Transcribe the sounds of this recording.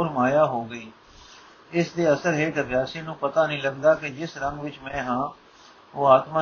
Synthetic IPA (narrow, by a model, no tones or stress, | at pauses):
ʊɾmaːjaːɦoːɡəiː | ɪsd̪eːəsəɾɦeːk̪əbjaːseːnũːpət̪aːnĩːləɡd̪aːkɪd͡ʒɪsɾəŋɡʋɪt͡ʃmɛ̃ːɦãː | oːaːt̪mãː